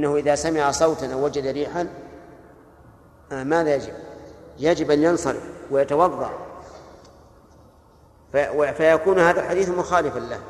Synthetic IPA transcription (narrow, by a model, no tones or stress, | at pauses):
ʔnːahʊʔɪðasamɪʕasˤɑwt̪ɪnawːad͡ʒad̪aɾiːħan | ʔamaːðajad͡ʒɪb̚jad͡ʒɪbʔanjɑnsˤɑɾɪ̰fwɪjɑt̪ɑwɑðˤːɑ̰ʔ | afajakuːnhaːðalħad̪iːθmʊxaːlɪfanlah